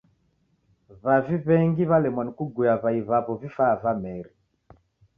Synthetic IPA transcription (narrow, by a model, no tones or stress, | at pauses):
βaviβɛŋɡiβalɛmwanikuɡujaβaiβaβɔvifavamɛɾi